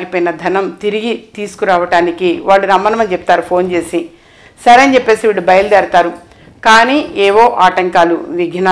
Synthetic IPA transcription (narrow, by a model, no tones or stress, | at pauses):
ɡipoːjinɐd̪ʱɐnɐmt̪iɾiɡit̪iːsu̥kuɾaːʋɐʈaːnikiʋaːɭːuɾɐmːɐnɐmɐnt͡ʃɛp̚t̪aːɾupʰo̞ːnt͡ʃe̞ːsi | sɐɾɐnt͡ʃɛpːe̞ːsiʋiɽubɐjɐlud̪ɐɾt̪aːɾu | kaːniːɛːʋo̞ːʔaːʈɐŋkaːlṵʋiɡʱna